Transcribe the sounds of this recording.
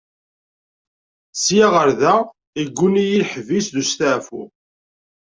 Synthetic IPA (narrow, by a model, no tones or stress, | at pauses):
sjaʁəɾðæ | iɡʷːunijilħvisðust̪aʕfʊ̰